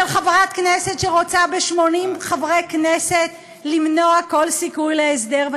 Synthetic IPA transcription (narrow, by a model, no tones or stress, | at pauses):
elχavʁat̪knesetʃeʁot͡sabeʃmo̞nimχavʁekneset̪ | limnoako̞lsikujlees̬d̪eʁv